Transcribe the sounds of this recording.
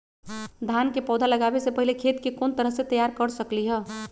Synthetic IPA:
d̪ʱankepɔːd̪ʱaləɡaːbesepəɦilekʰet̪kekoːnt̪əɾəɦset̪əjaɾkəɾsəkliɦɛ

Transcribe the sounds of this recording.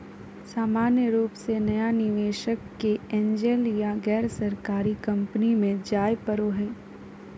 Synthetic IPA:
saːmaːnjəɾuːpsenɐjanɪʋeːʃəkːeɛ̃ːɲd͡ʒeljaɡɛːɾsɐɾkaːɾikɐ̃mpnimẽd͡ʒaːjpəɾoɦɛː

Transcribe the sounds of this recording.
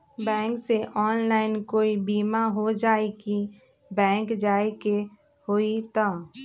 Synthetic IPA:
bɛ̃ːŋkseʔɔːnlaːɪnkoːibiːmaɦod͡ʒaːeki | bɛ̃ːŋkd͡ʒaːeke | hoːit̪a

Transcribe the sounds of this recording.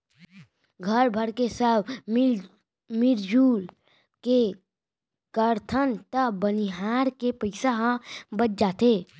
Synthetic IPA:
ɡʱəɾbʱəɾkesəb | mɪɾd͡ʒuːl | ke | kəɾt̪ʰənt̪əbəniɦaːɾkepəɪsaɦãbət͡ʃ̚d͡ʒaːt̪eː

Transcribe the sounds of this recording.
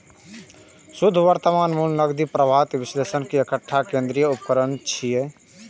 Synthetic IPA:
sud̪ʱʋəɾt̪əmanmunnəɡd̪ipɾəbʱat̪bislesənkiekəʈʰːakẽnd̪ɾijəupəkəɾənt͡ʃʰije

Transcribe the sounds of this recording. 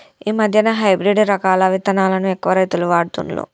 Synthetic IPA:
iːmɐd̪ʱjɐnɐɦɐjbɾiɖɾɐkaːlɐʋit̪ɐnaːlɐnuɛkːɐʋɐɾɐjt̪uluʋaːɽt̪ṵnlo̰ː

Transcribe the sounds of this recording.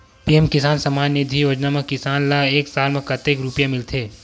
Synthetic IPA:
piemkɪsaːnsɐmaːnːid̪ʱijoːd͡ʒnamekːɪsaːnlaeːksaːlmẽkɐt̪eːkɾupjamɪlt̪ʰeː

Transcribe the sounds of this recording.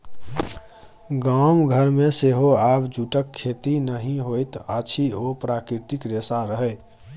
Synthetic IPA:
ɡamɡʱəɾmeseɦoabd͡ʒuʈəkʰːet̪inəɦĩɦojt̪ət͡ʃʰiopɾakɾiɾt̪ikɾesaɾəɦəj

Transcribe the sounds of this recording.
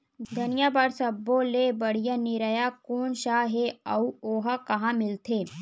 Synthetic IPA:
d̪ʱɐnijaːbaːɽsɐbːolebɐɽ̤ijanɪɾəjakoːnʃaːɦeɐuoːɦakɐɦãmɪlt̪ʰeː

